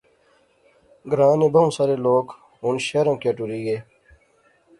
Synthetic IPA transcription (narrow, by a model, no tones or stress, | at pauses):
ɡɾaːnebɐũːsɐɾeloːk | unɕeɾɐ̃ːkjeʈuɾiɡeː